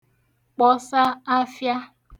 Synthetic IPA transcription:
k͡pɔ˨sa˦a˦fja˦

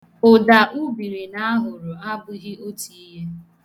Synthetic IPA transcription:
ʊ˨da˨ʔu˦bi˨ɾi˨na˦ɦʊ˨ɾʊ˨a˦bʊ˦ɦɪ˦o˦ti˨i˦ɦe˦

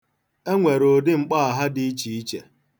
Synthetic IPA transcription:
e˦ŋʷe˨ɾo˨dɪ˦ŋ͡m̩˨k͡pa˦a˨ɦa˦di˦i˦t͡ʃi˨i˦t͡ʃe˨

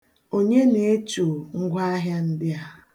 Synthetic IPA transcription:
o˦ɲe˦ne˨e˦t͡ʃu˨ŋ̩˦ɡʷa˦a˦ɦja˦n̩˦dɪ˦a˨

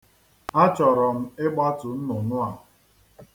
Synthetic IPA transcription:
a˦t͡ʃɔ˨ɾɔ˨m̩˦ɪ˦ɡ͡ba˦tʊ˨n̩˦nʊ˨nʊ˦a˨

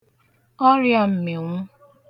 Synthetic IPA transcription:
ɔ˦ɾja˦m̩˨me˨ŋʷʊ˦

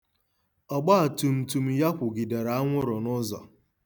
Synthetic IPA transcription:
ɔ˨ɡ͡ba˦a˨tu˨m̩˨tu˨m̩˦ja˦kʷʊ˨ɡi˨de˨ɾa˨a˦ŋʷʊ˦ɾʊ˨nʊ˦zɔ̰˨

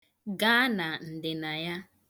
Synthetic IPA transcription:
ɡaː˦na˨n̩˨dɪ˨na˨ja˦

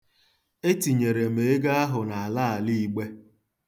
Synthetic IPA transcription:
e˦ti˨ɲe˨ɾe˨m̩e˨e˦ɡa˦a˦ɦʊ˨na˨a˨laː˦˨li˦˨ɡ͡be˦

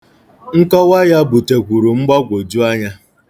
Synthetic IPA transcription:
ŋ̩˦kɔ˦wa˦ja˦bu˨te˨kʷu˨ɾu˨ŋ͡m̩˦ɡ͡ba˦ɡʷo˨d͡ʒu˦a˦ɲa˦

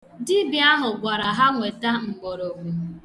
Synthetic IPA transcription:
dɪ˦bi˨a˦ɦʊ˨ɡʷa˨ɾa˨ɦa˦ŋʷe˨ta˦ŋ̩˨ɡ͡bo˨ɾo˨ŋʷu˨

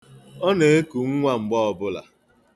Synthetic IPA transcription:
ɔ˦ne˨e˦ku˨ŋ̩˦ŋʷa˦ŋ͡m̩˨ɡ͡bɔ˦ɔ˨bʊ˦la̰˨

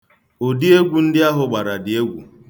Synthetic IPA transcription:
o˨di˦e˦ɡʷu˨n̩˦dɪ˦a˦ɦʊ˦ɡ͡ba˨ɾa˨dɪ˨e˦ɡʷṵ˨

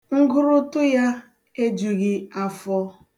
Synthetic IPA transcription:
ŋ̩˦ɡʊ˦ɾʊ˦tʊ˦ja˦ | e˦d͡ʒu˨ɣɪ˦a˦fɔ˦

